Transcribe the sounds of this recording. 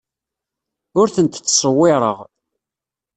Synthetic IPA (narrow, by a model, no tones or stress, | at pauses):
ʊɾθənt̪t͡sːsˤəwːɪɾˤə̰ʁ